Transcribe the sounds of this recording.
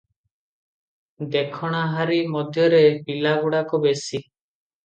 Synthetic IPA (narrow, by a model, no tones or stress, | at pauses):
d̪ekʰɔɽ̃aɦaɾimɔd̪ʱjɔɾepilaɡuɽakɔbesi